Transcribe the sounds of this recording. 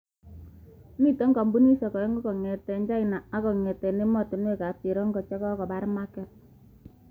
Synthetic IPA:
ni˦to˦ŋɡɔ˨mbu˦ni˦sɔ˨kɔ˨jɛ˦ŋɡɔ˦kɔ˨ŋɛ˨tɛ˨ɲd͡ʒa˦i˨na˨a˦kɔ˨ŋɛ˨tɛ˨ne˦mɔ˦˨tɪ˨n˦e˦˨ka˨pi˨ɾɔ˦ŋɡɔ˨t͡ʃɛ˦kɔ˦kɔ˨ba˦ɾma˦kɛ˦t̚

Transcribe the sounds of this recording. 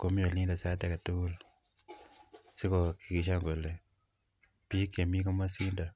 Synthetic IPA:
ko˦m˦o˨li˦nda˨sa˦tɛ˨ka˨tu˦u˦l | si˦ko˨ki˨ki˨ʃa˦ŋɡo˨le˨ | pi˦kːe˨mi˦ko˦ma˦si˦nda˨

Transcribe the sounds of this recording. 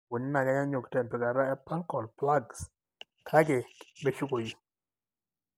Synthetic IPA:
wo˨n˦na˨ɡa˨˦ɲa˦ɲo˨ktɛ˨mpɛ˨ka˨ɾa˦ɛ˦pa˦ŋkɔ˨lpla˦ɡs | kʰa˦ɡɪ˨me˦ʃu˦ko˨ji˨

